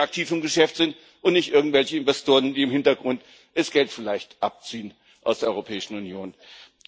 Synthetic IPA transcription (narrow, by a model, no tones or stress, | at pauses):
ak̚tʰiːfɪmɡəʃɛftz̥ɪnt | ʔʊntnɪçtʔɪɐɡŋ̩tv̥ɛlçəɪnvɛstʰoːʁ̞əndiːɪmhɪntɐɡʁʊnt | ʔɛsɡ̥ɛltfɪlaɪçtʔap̚t͡siːən | ʔaʊsd̥eːɐɔʁopʰɛːɪʃn̩unjoːn